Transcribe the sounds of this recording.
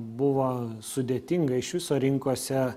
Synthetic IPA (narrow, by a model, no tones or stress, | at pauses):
bʊʋoːsʊd̪ʲeɛːt̪ʲɪŋɡɐɪʃʋʲɪsoːɾʲɪŋkosʲɛ